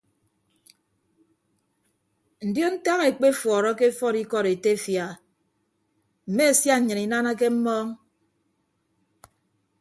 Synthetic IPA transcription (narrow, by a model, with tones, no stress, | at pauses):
n̩˨djo˦n̩˦ta˦ŋe˨k͡pe˦fwɔː˨ɾɔ˦ke˦fɔ˦ɾi˦kɔ˦ɾe˨te˦fja˨ | m̩˨me˦e˨sja˦ɲ̩˨ɲɨ˨ni˨na˦na˦ke˦m̩˦mɔː˦ŋ